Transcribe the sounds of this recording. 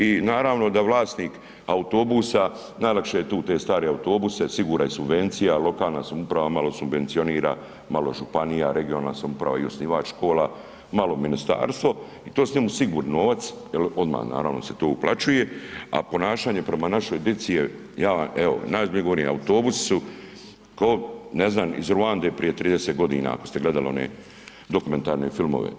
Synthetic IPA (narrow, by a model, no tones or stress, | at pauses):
inaːɾaːʋno̞d̪aʋlˠaːsniːk | aut̪o̞busa | najlakʃejet̪uːt̪e̞ːst̪aːɾeaut̪o̞ːbusesiɡuːɾaisubʋe̞nt̪sijalo̞kaːlˠnasamupɾaʋamalo̞subʋe̞nt̪sio̞niːɾa̰ | maloʒupanijaɾʔeɡionana̰samupɾa̰ʋa̰iosniʋat͡ʃʃko̞ːla | malˠo̞minist̪a̰ːɾst̪ʋo̞ | it̪oːsɲemusiɡuːɾnnoːʋat̪sjelo̞d̪ma̰ːhna̰ːɾaʋno̞set̪oːuplat͡ʃujea̰po̞naːʃaːɲe̞pɾe̞manaʃojd̪et̪sije | jaːʋaɛo̰najseɡoɾniːa̰ut̪o̞ːbusi̥su | kaoneznaːmḭzɾuand̪epɾije̞t̪ɾiːd̪eset̪ɡo̞d̪ḭːna̰a̰ko̞st̪e̞ɡle̞d̪alio̞nḛ | d̪o̞kume̞nt̪aːɾnefilˠmo̰ʋḛ